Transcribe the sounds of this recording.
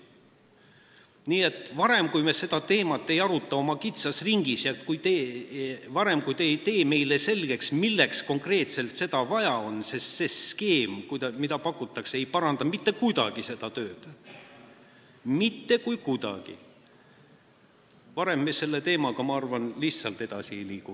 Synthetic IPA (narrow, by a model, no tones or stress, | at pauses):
niːe̞t̪ˑvɑɾe̞mkujmese̞d̪̥ɑt̪e̞ːmɑt̪ːˑe̞jɑɾut̪ːˑɑo̞mɑkit̪sɑsriŋɡ̥isjɑkujt̪eːvɑɾe̞mkujt̪ejt̪e̞ːme̞jlese̞lɡ̥e̞ksmilːe̞ksko̞ŋkre̞ːt̪se̞lt̪se̞d̪̥ɑvɑjɑo̞nse̞se̞ske̞ːmkujd̪ɑmid̪ɑpɑkːˑut̪ːˑɑkseejpɑɾɑnd̪ɑmit̪ːe̞kujd̪ɑ̰ɡ̥ise̞d̪ɑt̪øːd̪̥ | mit̪ːe̞kujkud̪̥ɑ̰ɡ̥ḭ | vɑɾe̞mːese̞lːe̞t̪e̞ːmɑɡ̥ɑmɑɑrvɑnliçssɑlt̪e̞d̪̥ɑsiejliːku